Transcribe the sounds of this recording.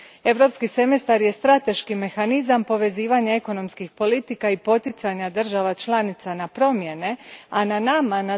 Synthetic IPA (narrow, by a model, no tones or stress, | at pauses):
e̞ʋɾo̞pskise̞mest̪aɾje̞st̪ɾat̪e̞ʃkime̞xanizampo̞ʋe̞ziːʋaɲae̞ko̞no̞mskixpo̞lit̪ikaipo̞t̪it̪saɲad̪r̩ʒaʋat͡ʃlanit̪sanapɾo̞mje̞ne̞ananamana